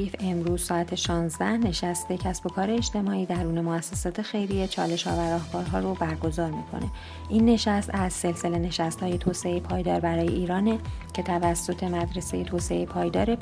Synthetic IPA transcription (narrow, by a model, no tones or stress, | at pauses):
ife̞mɾuːz̥sɒːæt̪ʰeʃɒːnzd̪æhne̞ʃæst̪e̞cʰæsbo̞kʰɒːɾe̞ːt͡ʃt̪e̞mɒːiːd̪æɾuːne̞moæsːesɒːt̪ʰe̞xe̞jɾijet͡ʃʰɒ̰ːle̞ʃhɒ̰ːvæɾɒːhbɒːɾɦɒːɾo̞bæɾɡo̞zɒːɾmḭːkʰo̞̰ne̞̰ | ʔiːnːe̞ʃæst̪æzse̞lse̞le̞ne̞ʃæst̪hɒːje̞t̪ʰoːse̞ejepʰɒːjd̪ɒːɾbæɾɒːje̞̰ʔiːɾɒːne̞cʰe̞t̪ʰævæsːo̞t̪ʰe̞mæd̪ɾe̞seje̞t̪ʰoːse̞ejepʰɒːjd̪ɒːɾe̞